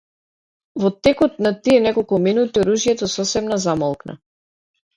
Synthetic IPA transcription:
vɔt̪ɛkɔt̪̚nat̪iɛnɛkɔlˠkuminut̪iɔɾuʒjɛt̪ɔsɔsɛmnazamɔlˠkna̰

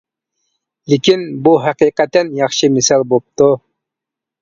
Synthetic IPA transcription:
lekʲinbuɦæqiːqæt̪ːɛnjɑχʃɨmɪsɑlˠbop̚t̪u

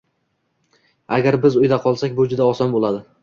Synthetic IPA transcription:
aɡʲaɾbɪzʊjd̪aqʰɒlˠsakʲbʊd͡ʒʊd̪aɒsɒnbolˠad̪ɪ

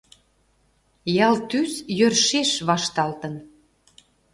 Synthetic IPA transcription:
jɑlt̪ysjørʃeʃβɑʃt̪ɑlt̪ə̆n

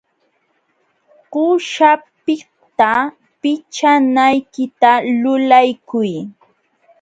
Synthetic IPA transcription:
qʊʃapɪ | t̪a | pɪt͡ʃanajkɪt̪alʊlajkʊj

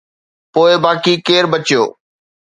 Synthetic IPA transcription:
poːɪbaːkikeːɾbɐt͡ɕijo̰ː

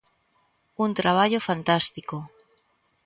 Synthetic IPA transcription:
unt̪ɾaβ̞aʎofant̪ast̪iko

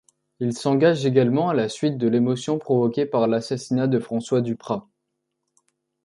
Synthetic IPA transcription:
ilsɑ̃ɡaʒeɡalmɑ̃alasɥit̪̚d̪əlemɔsjɔ̃pχɔvɔkʲepaʁlasasinad̪əfχɑ̃swad̪ypχa

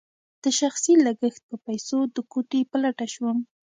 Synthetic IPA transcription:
d̪̥əʃaxsilaɡəxt̪̚pəpajsod̪əkoʈepəlaʈaʃwun

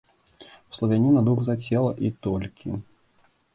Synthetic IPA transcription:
wslˠɐvʲanʲinɐd̪uɣzat͡sʲɛlˠɐʔit̪ɔlʲkʲi

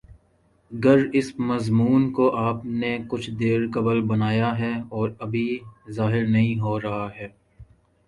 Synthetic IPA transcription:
ɐɡɐɾɪsmɐzmuːnkoʔaːpnekʊt͡ʃʰd̪eːɾkɐbəlbɐnaːjaɦɛːɔːɾɐbʱizaːɦɪɾnɐɦĩɦoːɾɐɦaɦɛː

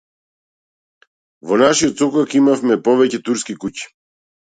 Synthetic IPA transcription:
vɔnaʃiɔt̪sɔkɔkimafmɛpɔvɛcɛt̪uɾskikuci̥

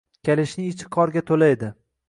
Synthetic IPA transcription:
kʲʰelɪʃnɪɪt͡ʃʰɪ̥qʰɒɾɡʲat̪ʰolajd̪ɪ

